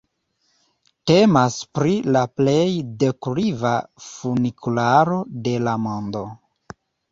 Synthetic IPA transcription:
te̞maspɾilaple̞jdekuɾivafunikulaɾo̞de̞lamo̞ndo̞

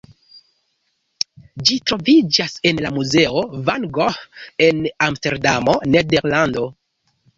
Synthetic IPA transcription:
d͡ʒitɾo̞vid͡ʒase̞nlamuze̞o̞vanɡohe̞namste̞ɾdamo̞ne̞de̞ɾlando̞

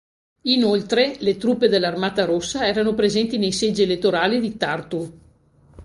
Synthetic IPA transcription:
inolt̪ɾelet̪ɾupːed̪elːarmaːt̪aɾosːaɛːɾanopɾezɛnt̪inejsed͡ʒielet̪ːoɾaːlid̪it̪art̪u

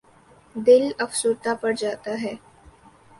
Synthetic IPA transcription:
d̪ɪlɐfsʊɾt̪apɐɽd͡ʒaːt̪aɦɛː

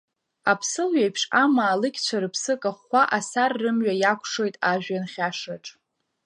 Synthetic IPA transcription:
apʰsɨlɥajpʰʂamaːlɨkʲʼt͡ɕʷʰaɾɨpʰsɨkʼaχʷaʔasarːɨmɥajakʷʰʂo̞jtʼaʒᶣanχʲaʂaʈ͡ʂʼ

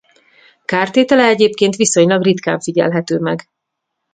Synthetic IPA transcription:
kaːrt̪eːt̪ɛlɛɛɟeːpkeːnt̪ʋiso̞ɲlɒɡrit̪ka̰ːɱfiɟɛ̰lɦɛt̪øːmɛɡ

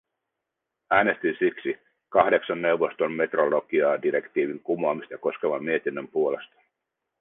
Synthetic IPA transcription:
æːne̞st̪insiksi | kɑhde̞ksɑnːe̞wʋːo̞st̪o̞mme̞t̪rolo̞ɡ̥iɑːdiɾe̞kt̪iːʋiŋkumoɑmist̪ɑɑko̞ske̞ʋɑmːie̞t̪inːømpuo̞le̞st̪ɑ̥

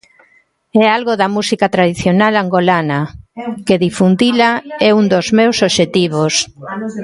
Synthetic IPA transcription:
ɛalɣoðɐmusikat̪ɾaðiθjonalaŋɡolanɐkeðifund̪ilaɛund̪ozmewsoβʃet̪iβ̞os

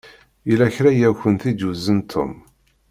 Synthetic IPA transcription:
ilæçɾæjæçʷənθid̪uzənt̪ʰːʊ̰m

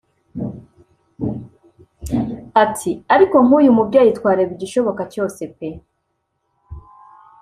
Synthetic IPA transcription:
atʰiaɾiko̞ŋ̥uːjumubɟaːjitwaːɾeβiɟiʃo̞βo̞kaco̞ːse̞pe̞

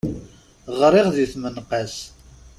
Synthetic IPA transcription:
ʁɾɪʁðiθmənqas

